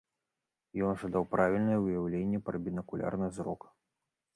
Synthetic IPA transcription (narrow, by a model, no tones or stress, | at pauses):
jɔnʐad̪awpɾavʲilʲnɨjɛɨjawlʲenʲːɛpɾɐbʲinɐkulʲʔa̰rnɨzɾɔk